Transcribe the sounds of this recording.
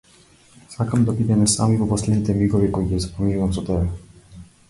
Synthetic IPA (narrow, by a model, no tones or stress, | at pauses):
sakamd̪abid̪ɛnɛsa̰mivɔpɔslɛd̪nit̪ɛmiɡɔvikɔiɡɛzapominuvamsɔt̪ɛbɛ